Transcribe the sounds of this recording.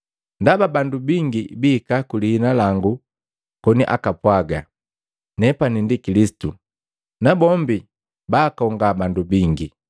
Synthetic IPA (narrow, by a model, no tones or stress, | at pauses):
ndababandubiŋɡibiːkakulihːnalaŋɡu | kɔniʔa̰kapwaɡa | nɛpanindikilisi̥tu | nabɔmbi | baːkɔŋɡabandubiŋɡi